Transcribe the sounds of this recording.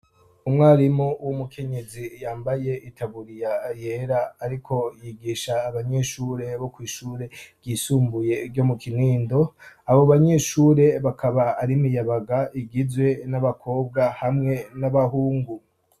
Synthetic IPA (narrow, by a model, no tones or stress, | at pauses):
umŋaːɾimouwumukʰe̞ɲe̞zijaːmbaje̞ʔitʰaβuɾijajeɾaːɾikʰo̞jiɡiːʃaːβaɲe̞ʃuɾe̞βo̞kwiːʃuːɾe̞bɟisuːmbuje̞ɾɟomukiniːndo̞aβo̞βaɲe̞ʃuːɾe̞βakʰaβaːɾimijaβaɡaʔiɡizwe̞naβakʰo̞ːb̚ɡahamŋe̞naβaɦuːŋɡu